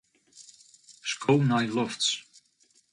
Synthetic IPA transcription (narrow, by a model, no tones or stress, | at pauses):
skʰownajlɔfts